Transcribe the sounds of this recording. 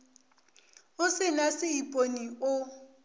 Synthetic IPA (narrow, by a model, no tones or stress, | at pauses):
ʊsɪlasɪipʼoniʊ